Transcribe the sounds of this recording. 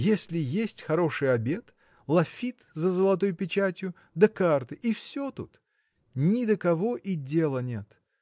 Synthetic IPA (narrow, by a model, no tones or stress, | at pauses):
jesʲlʲɪjesʲtʲxɐɾo̞ʂɨjɐbʲe̞t̪ | lˠɐfʲit̪zəzəlˠɐt̪o̞jpʲɪt͡ɕætʲjʊ | d̪əkart̪ɨʔifsʲot̪ut̪ | nʲɪd̪əkɐvo̞ʔidʲe̞lˠənʲe̞t̪